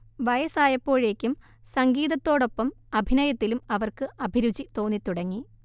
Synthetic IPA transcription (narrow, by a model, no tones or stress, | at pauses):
ʋɐjɐsaːjɐpːo̞ːɻe̞ːkʲːum | sɐŋɡiːðɐt̪ːo̞ːɽo̞pːɐmɐbʱinɐjɐt̪ːilumɐʋɐrkɨɐbʱiɾud͡ʑit̪o̞ːnːit̪uɽɐŋːi